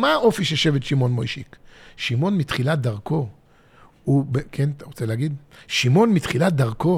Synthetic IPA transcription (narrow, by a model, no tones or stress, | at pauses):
maʔo̞fiʃeʃevetʃimo̞nmojʃikʃimonmitχilat̚d̪aʁko̞ | ubekʰenʁot͡seleaɡid̪ʃimo̞nmitχilat̚d̪aʁko̞